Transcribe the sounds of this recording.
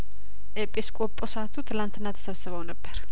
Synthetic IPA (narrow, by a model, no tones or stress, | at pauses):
ʔepʼeskʼopʼosəat̪ʰut̪ʰɨlant̪ʰɨnːat̪ʰə̥səβsɨβəwnəbːəɾ